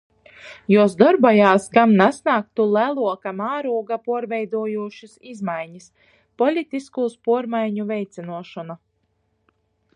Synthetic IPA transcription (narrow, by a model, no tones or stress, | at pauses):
jusd̪ɔɾbɔjaːskamnasnaːk̚t̪ulˠælˠuɔkamaːɾuɔɡapuɔɾvɛjd̪uɔjuːʃisizmajɲis | pɔlʲit̪iskuːspuɔɾmajɲuvɛjt̪sinuɔʃɔna